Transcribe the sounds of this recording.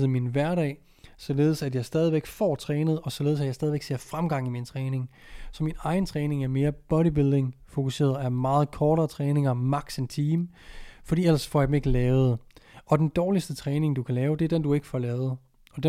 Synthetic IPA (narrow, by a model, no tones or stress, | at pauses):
ð̩ˠminʋæɐɾɛ̰ː | sɒ̽le̝ːð̞ˠsæd̥jɑ̈ɪsd̥ɛːð̞ˠiʋeɡ̥fɒ̰ːt͡sʰʁɛːnəð̩ˠɒ̽sɒle̝ð̩ˠsædjɪsɛːð̞ˠiʋeɡ̥se̝ɐ̰fʁamɡ̥ɑ̈ŋ̰imint͡sʰʁɛːne̝ŋ | sɒ̽minɑ̈ɪn̩t͡sʰʁɛːne̝ŋæɐme̝ːɐb̥ɒ̽ɾibilˠd̥e̝ŋfo̝kuse̝̰ːɐð̩ˠæmɑ̈ːð̞̩ˠkʰɒːɾɐːt͡sʰʁɛːne̝ŋɐmɑ̈ɡ̥sent͡sʰiːm | fɒdḭːel̰ɐsfɒ̰jäd̥eme̝ɡ̥əlɛːʊð̞̩ˠɒ̽d̥end̥ɒːlisd̥ət͡sʰʁɛːne̝ŋd̥ukʰælɛːʊd̥e̝æɐd̥end̥ue̝ɡ̥əfɒ̰lɛːʊð̞̩ˠ | ɒ̽d̥e